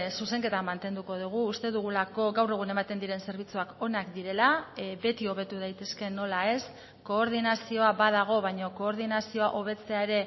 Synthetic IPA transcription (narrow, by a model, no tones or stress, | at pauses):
suse̞ŋke̞t̪amant̪e̞nd̪uko̞ð̞uɣ̞uːst̪e̞ðuɣ̞ulako̞ɡawre̞ɣ̞une̞mat̪e̞nd̪iɾe̞nse̞ɾβit͡suako̞nakd̪iɾe̞labe̞t̪io̞βe̞t̪uð̞ajt̪e̞ske̞no̞lae̞s | ko̞ːɾð̞inasio̞aβað̞aɣ̞o̞βajɲo̞ko̞ːɾð̞inasio̞aʔo̞β̞e̞t͡se̞ae̞ɾe̞